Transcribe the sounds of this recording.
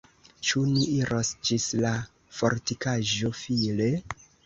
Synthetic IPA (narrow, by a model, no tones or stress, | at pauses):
t͡ʃuniʔiɾʔosd͡ʒisla | fo̞ɾtikaʒo̞file̞